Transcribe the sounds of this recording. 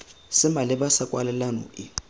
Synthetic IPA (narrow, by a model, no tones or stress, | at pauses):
sɪmalɪbasakʼwalɛlanɔ̰ɪ